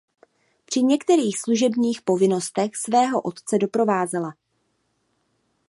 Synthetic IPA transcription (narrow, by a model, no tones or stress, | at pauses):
pr̝̥ɪɲɛkt̪ɛɾiːxsluʒɛbɲiːxpo̞vɪno̞st̪ɛxsvɛːɦo̞ʔo̞t̪t͡sɛdo̞pɾo̞vaːzala